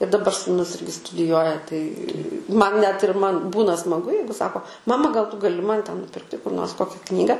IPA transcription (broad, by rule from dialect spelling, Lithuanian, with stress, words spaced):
ɪr dɐˈbɐr suːˈnʊs ˈɪrʲɡʲɪ stʊdʲɪˈjuɔjɛ tɐɪ ˈmɐn nʲɛt ɪr ˈmɐn ˈbuːnɐ smɐˈɡʊ ˈjɛɪɡʊ ˈsɑːkoː ˈmɑːmɐ ɡɐlˠ tʊ ɡɐˈlʲɪ ˈmɐn tʲɛn nʊˈpʲɪrktʲɪ kʊr noːrs ˈkoːkʲɛ ˈknʲiːɡɐ